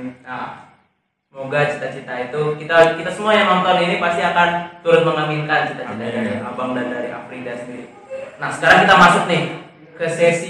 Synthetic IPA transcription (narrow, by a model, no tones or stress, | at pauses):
na | moɡat͡ʃit̪at͡ʃit̪ait̪ukit̪akit̪asəmuajaŋamt̪aninipast̪iakant̪uɾʊt̪̚məŋaminkant͡ʃit̪at͡ʃit̪adaɾiʔabamdandaɾiʔa̰pɾidasəndiɾi | nahsə̥kaɾaŋkit̪amasʊt̪̚nɪh | kəsɛsi